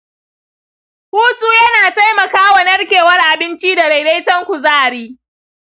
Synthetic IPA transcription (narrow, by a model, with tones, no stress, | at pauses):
huː˦sʼuː˦jɐ˦naː˨ta˦jmɐ˨kaː˦wa˨nɐ˦rkʲeː˨wɐ˦rʔa˨bɪ˦nt͡ʃi˦da˨ɾa˨jde˦jtɐ˦ŋkʷu˨zaː˦˨ɽiː˦